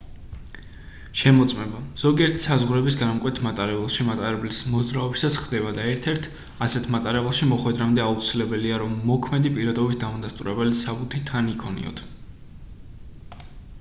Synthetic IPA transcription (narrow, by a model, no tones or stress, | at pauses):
ʃɛmɔt̪sʼmɛbaz̥ɔɡiɛɾt̪ʰi̥sazʁɾɛbisɡanamkʼwɛt̪ʰmat̪ʼaɾɛbɛlˠʃimat̪ʼaɾɛblismɔd̪zɾaɔbisasχd̪ɛbad̪aɛɾt̪ʰɛɾt̪ʰ | asɛt̪ʰmat̪ʼaɾɛbɛlˠʃimɔχwɛd̪ɾamd̪ɛaut̪sʰilɛbɛliaɾɔmːɔkʰmɛd̪ipʼiɾad̪ɔbit̪̚ʰd̪amad̪ast̪ʼṵɾɛbɛlisabut̪ʰit̪ʰːanikʰɔnḭɔ̰t̪ʰ